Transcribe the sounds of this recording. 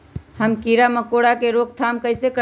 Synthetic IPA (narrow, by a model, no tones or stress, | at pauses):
həmkiɾaməkoɽakeɾoɡ̚t̪ʰamkəɪsekə